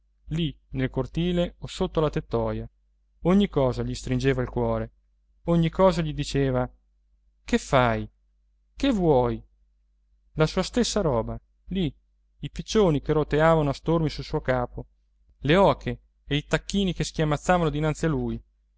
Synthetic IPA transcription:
linelkort̪iːleosot̪ːolat̪et̪ːɔːja | oɲːikːɔːzaʎist̪ɾind͡ʒeːvailkwɔːɾe | oɲːikːɔːzaʎid̪it͡ʃeːva | kefːaj | kevwɔːj | lasuːast̪esːaɾɔːba | li | ipit͡ʃːoːnikeɾot̪eaːvanoast̪ormisulsuːokaːpo | leɔːkʰeː | it̪akːiːnikeskjamːat̪sːaːvanod̪inant̪sialːuj

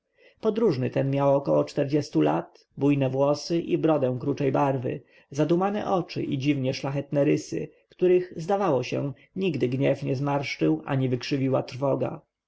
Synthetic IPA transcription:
pɔd̪ɾuʐnɘt̪ɛnmʲjawɔkɔwɔt͡ʂt̪ɛɾd͡ʑɛst̪ula̰t̪ | bujnɛvwɔsɘʔibɾɔd̪ɛ̃w̃kɾut͡ʂɛjbaɾvɘ̰ | zad̪umanɛ̰ʔɔt͡ʂɘ̰ʔid͡ʑivɲɛʂlaxɛt̪nɛɾɘsɘ̰ | kt̪uɾɘxzd̪avawɔɕɛ̰ | ɲiɡd̪ɘɡɲɛfɲɛzmaɾʂt͡ʂɘwʔa̰ɲivɘkʂɘvʲiwat̪ɾ̥fɔɡa̰

